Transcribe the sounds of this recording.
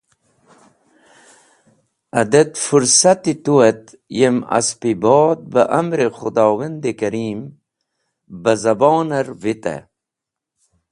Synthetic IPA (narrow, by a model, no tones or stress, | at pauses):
ɐd̪et̪fuɾsat̪it̪uwet̪ | jema̰spiboːd̪̚bəʔamɾexud̪ɑːwɐnd̪ikɐɾiːm | bɐzɐboːnɐɾvit̪ḛ